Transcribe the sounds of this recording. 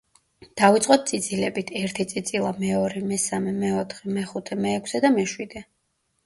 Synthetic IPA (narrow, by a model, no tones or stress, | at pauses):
d̪̥avit̪sʼqʼɔt̪̚t̪sʼid̪z̥ilɛbit̪ʰɛɾt̪ʰit̪sʼid̪sʼilˠamɛɔɾɛmɛsamɛmɛɔt̪ʰχɛmɛχut̪ʰɛmɛːkʷʰsɛd̪amɛʃwid̪ɛ